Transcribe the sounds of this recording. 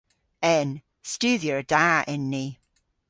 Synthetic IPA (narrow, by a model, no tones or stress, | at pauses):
ɛn | stʉːðiəɹəd̥aʔɪnːi